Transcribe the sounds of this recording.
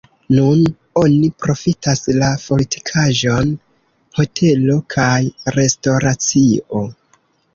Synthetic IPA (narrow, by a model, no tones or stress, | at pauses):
nun | o̞nipɾo̞fitaslapo̞litʰi̥kʰaʒo̞n | ho̞tʰe̞lo̞kʰajɾe̞sto̞ɾat͡siʔo̞